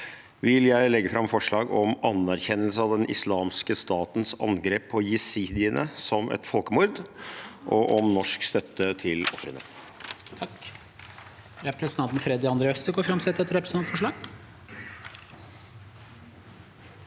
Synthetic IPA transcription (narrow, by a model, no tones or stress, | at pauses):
ʋɪljæɪlɛɡːəfɾɑmfɔʂɭɑːɡɔmɑnæɾçɛnːəlsəɑʋd̪ɛnʔɪ̰slɑːmskəst̪ɑːt̪n̩sɑ̰nɡɾeːpʰːɔjɪsiːd̪ɪənʔəsɔmʔɛ̰t̪fɔlkəmʊɾd̪ʔɔʔɔmnɔʂkst̪œt̪ʰːət̪ʰɪlɔfɾənə̰ | t̪ʰɑk | ɾɛpɾɛsənɑnt̪n̩fɾɛd̪ɪɑnd̪ɾɛɔst̪əɡoːɾfɾɑmsɛt̪ːɛt̪ːɾɛpɾəsnʰɑnt̪fɔʂɭɑːɡ